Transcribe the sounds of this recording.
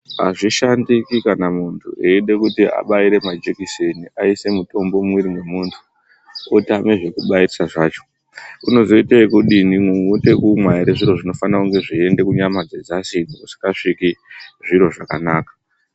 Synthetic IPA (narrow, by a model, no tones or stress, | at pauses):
a̰ʐiʃandikikanamuntʰṵeiɗe̞kutia̰ɓaiɾe̞mad͡ʒekiseniʔaise̞muto̞mbo̞mwiɾimwe̞muːntʰu̥ | otiameʐe̞kuɓairisaʐaːt͡ʃo̥ | uno̞zo̞iteikuɗinimweutekumwaiɾeʐiɾo̞ʐino̞fanakuŋɡe̞ʐie̞nde̞kuɲamad͡zed͡zasid͡zokusi̥kaʂikiʐiɾo̞ʐakanaːkḁ